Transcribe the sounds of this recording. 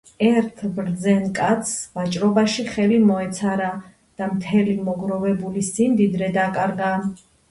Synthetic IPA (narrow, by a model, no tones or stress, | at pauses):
ɛɾt̪ʰbɾd̪zɛnkʼat̪sʰvat͡ʃʼɾɔbaʃiχɛlimɔɛt̪sʰaɾa | d̪̥amt̪ʰɛlimɔɡɾɔvɛbulisind̪id̪ɾɛd̪akʼaɾɡa